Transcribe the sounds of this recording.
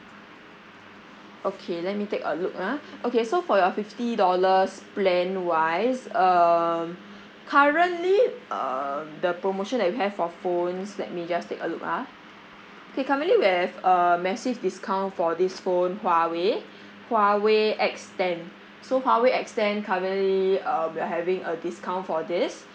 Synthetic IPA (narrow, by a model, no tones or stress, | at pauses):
ʔokʰelɛt̚mitekə̰luk̚aʔokesofɔjɔfiftidɔləsplɛ̃nwaɪsʌm | kʰaɹə̃ntliʌ̰mdəpɹomoʃɔ̃ndɛt̚wiɦɛv̥fɔfõnslɛ̰t̚mid͡ʒastekəlukha | okekaɹə̃ntliwihɛvəmɛsivdiskʰãw̃ntfɔdisfõnhwawe | hwaweʔɛkstɛ̃n | sohwaweɛkstɛ̃nkʰaɹə̃nliʌmwiaɦɛvĩŋədiskãw̃ntfɔdis